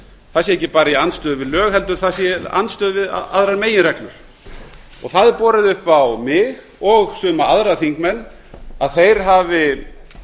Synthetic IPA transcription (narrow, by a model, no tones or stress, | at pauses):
θaðsjɛɛhcːɪpaːɾaianst̪œːðʏvɪðlœːɣhɛlt̪ʏɾ̥θasjɛa̰nst̪œːðvɪða̰a̰ðɾaɾmeːjɪnɾɛklʏɾ̥ | ɔ̰ɣθaðɪpɔːɾɪðʏhpawmɪɣ | ɔɣsʏːmaaðɾaθiŋkmɛnː | aðθejɾ̥ɦavɪ